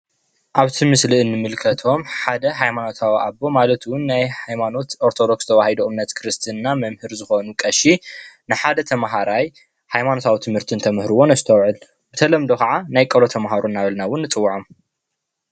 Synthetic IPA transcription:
ʔaβt̪ʰɨmɨsliɨnːɨmɨlkʰɐt̪ʰo̞mħad̪ɐɦajmano̞t̪ʰawiʔaβːo̞malɐt̪wʊnːajhajmano̞t̪oɾt̪ʰo̞d̪o̞kst̪ʰɐβahid̪oʔɨmnːɐt̪kʰɾɨst̪ʰɨnnamɐmhɨɾzɨxo̞nukʼɐʃinɨħad̪ɐt̪ʰɐmɦaɾaj | hajmano̞t̪ʰawit̪ʰɨmhɨɾt̪ʰɨnt̪ʰɐmhɾɨwo̞nɐzɨt̪ʰɐwʕɨl | bɨt̪ʰɐlɐmd̪o̞kʰɐʕanajkʼɐlo̞t̪ʰɐmɦaɾonːaβɐlnawʊnːɨt͡sʼɨwːuʕom

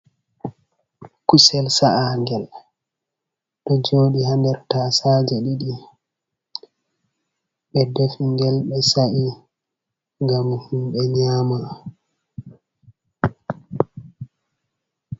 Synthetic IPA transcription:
kusɛlsaʔaŋɡɛl | ɗɔd͡ʒoːɗihandɛɾtasaːd͡ʒɛɗiɗi | ɓɛdofiŋɡɛlɓɛsaʔi | ŋɡamhumɓɛɲaːma

